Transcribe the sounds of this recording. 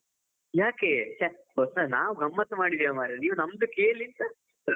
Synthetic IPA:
jaːkeːt͡ʃa | osanaːʋuɡɐmːɐt̪ɐmaːɽid̪ijɐmaːɾeniːʋunɐmd̪ukeːlint̪ɐ

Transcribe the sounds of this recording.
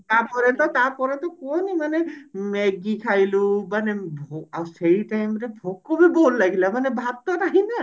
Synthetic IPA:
t̪aɾpɔɾɛt̪ɔt̪aɾpɔɾet̪ɔkonimanemeɡikʰajlumanebʱoaseiʈajmɾebʱokːɔbibolːaɡilamanebʱat̪ːɔɾaɦina

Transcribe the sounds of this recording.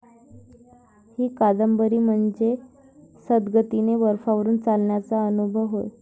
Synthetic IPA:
hiːkad̪əmbəɾiːm̤əɳd͡ze | səd̪ɡət̪ineʋəɾfaʋəɾuːnt͡salɳjat͡saənubʱəʋɦoj

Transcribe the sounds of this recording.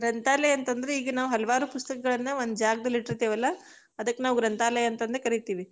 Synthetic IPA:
ɡɾɐnt̪aːlɐjɐnt̪ɐnd̪ɐɾeiːɡɐnaːʋuɦɐlɐʋaːɾupust̪ɐkɐɡɐɭɐnːɐʋond̪ud͡ʒaːɡɐd̪ɐliʈɾt̪eːʋɐlːɐ | ɐd̪ɐkːenaːʋuɡɾɐnt̪aːlɐjɐnt̪ɐnd̪ɐɾekɐɾit̪iːʋi

